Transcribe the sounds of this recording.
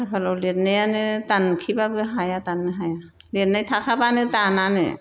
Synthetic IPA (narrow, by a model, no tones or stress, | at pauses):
apʰalɔlit̚nɯjanɯt̪ankʰibabɯɦajat̪anːɯɦaja | litnajt̪ʰakʰabanɯt̪ananɯ̰